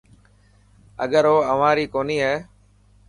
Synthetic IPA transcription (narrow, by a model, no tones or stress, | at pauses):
ə̰ɠəɾɦoːəʋãːɾiːkoːniːɦɛː